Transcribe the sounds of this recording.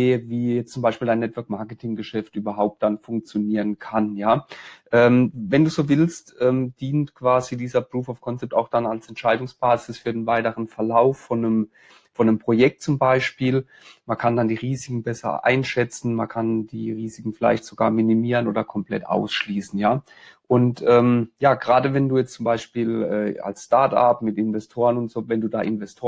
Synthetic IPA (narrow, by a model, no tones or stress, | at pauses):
deːəviːjɛt͡st͡sʊmbaɪʃpiːldaɪnːɛtv̥œɐk̚maɐkətʰɪŋɡəʃɛftʔyːbɐɦaʊp̚t̚d̥anfʊŋk̚t͡sjoniːʁənkʰanjaːʔɛːmvɛnduːzoːvɪlstʔɛːmd̥iːntkv̥aːzidiːzɐbʁuːfɔfkʰɔnt͡sɛp̚taʊxd̥analsɛntʃaɪdʊŋsb̥aːzɪsfyːɐdenvaɪtəʁənfɛɐlaʊfːɔnəm | fɔnəmpʁ̥ojɛk̚tt͡sʊmbaɪʃpiːl | mankʰandandiːʁiːzɪkŋ̩bɛsɐ̰ʔa̰ɪnʃɛt͡sn̩mankʰandiːʁiːzɪkŋ̩fɪla̰ɪçtz̥oɡaːɐminimiːʁənʔo̰ːdɐkʰɔmpl̥ɛ̰tʔa̰ʊsʃliːsn̩jaː | ʔʊntʔɛːmjaːɡ̥əʁaːdəvɛnduːjɛt͡stt͡sʊmbaɪʃpiːlɛ̰ːa̰lsʃtaɐta̰pmɪtɪnvɛstʰoːʁənʊntz̥oːvɛnduːda̰ːʔɪnvɛstʰoː